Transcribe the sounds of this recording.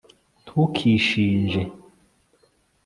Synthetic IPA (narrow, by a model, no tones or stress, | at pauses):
tʰukʰiʃind͡ʒɛ